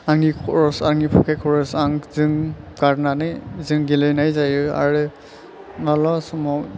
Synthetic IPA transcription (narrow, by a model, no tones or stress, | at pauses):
aŋikʰɔɹɔsaŋipʰɔkʰɛkʰɔɹɔsaŋzɯŋkananɯzɯŋɡilɔjnajzajɔa̰ɹɛ | nalɔsɔmɔ